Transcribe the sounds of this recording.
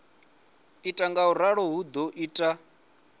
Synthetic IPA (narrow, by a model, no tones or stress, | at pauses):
itʼaŋɡauɾaɺɔɦud̪ɔʔiːtʼa